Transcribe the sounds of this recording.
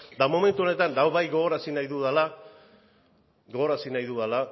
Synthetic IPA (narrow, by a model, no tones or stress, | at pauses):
d̪amo̞me̞nt̪uo̞net̪anlawβajɣo̞ɣo̞ɾasinajðuðala | ɡo̞ɣo̞ɾasinajðuðala